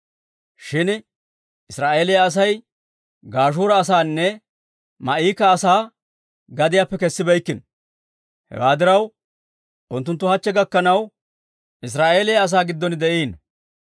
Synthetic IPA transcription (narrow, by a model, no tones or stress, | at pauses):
ʃɪn | ɪsɾaːʔeːlɪjɐːs̬ɐj | ɡaːʃ̬uːɾɐːsaːnːɛ | mɐʔiːkɐːsaː | ɡɐd̪ɪjaːpːɛkɛsːɪbɛjkːɪn | hɛ̰waːd̪ɪɾɐw | ʔʊnt̪ːʊnt̪ːʊhɐt͡ʃːɛɡɐkːɐnɐw | ɪs̬ɾaːʔe̞ːlɪjɐɐs̬aːɡɪd̪ːɔnɪd̪ɛʔiːn